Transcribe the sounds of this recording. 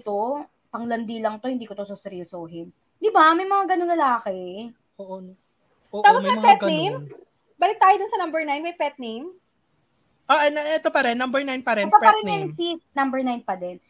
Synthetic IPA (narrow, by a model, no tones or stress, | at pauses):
t̪o | pɐŋlɐnd̪iːlɐŋt̪o̞hɪnd̪iːkot̪ososɛɾjosoːɦɪn | d̪ɪbamɐjmɐŋaɡɐnoŋlɐlaːkɛ | oːʔo | ʔoːt̪aːposmɐjmmɐpɛtɡɐejm | bɐlɪt̚t̪ːaːjod̪ʊnsɐnɐmbɛɹnajnmɐjpɛt̪̚nejm | ʔaʔɐnɐɛt̪opɐɾɛnːɐmbɛɹnajnpɐɾɛnt̪oppɐɾɛnɛnsisnɐmbɛɹnajnpɐd̪ɛn